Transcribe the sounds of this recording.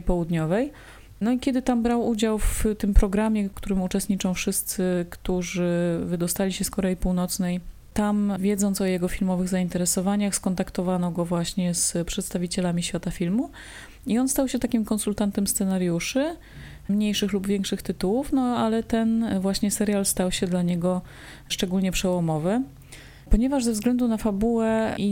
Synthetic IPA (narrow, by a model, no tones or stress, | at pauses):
pɔwud̪ɲɔvɛj | nɔikʲɛd̪ɘt̪ambɾawud͡ʑawft̪ɘmpɾɔɡɾamʲjɛkkt̪uɾɘmut͡ʂɛst̪ɲit͡ʂɔ̃w̃fʂɘst̪sɘkt̪uʐɘvɘd̪ɔst̪alʲiɕɛskɔɾɛjipuwnɔt̪snɛj | t̪amvʲjɛd̪zɔnt̪sɔjɛɡɔfʲilmɔvɘɣzaint̪ɛɾɛsɔvaɲaxskɔnt̪akt̪ɔvanɔɡɔvwaɕɲɛspʂɛt̪st̪avʲit͡ɕɛlamʲiɕfʲjat̪afʲilmu | iɔnst̪awɕɛt̪akʲimkɔnsult̪ant̪ɛmst̪sɛnaɾjuʂɘ | mɲejʂɘxlubvʲjɛ̃ŋkʂɘxt̪ɘt̪uwufnɔalɛt̪ɛnvwaɕɲɛsɛɾʲjalst̪awɕɛd̪laɲɛɡɔ | ʂt͡ʂɛɡulɲɛpʂɛwɔmɔvɘ | pɔɲɛvaʐzɛvzɡlɛnd̪unafabuwɛi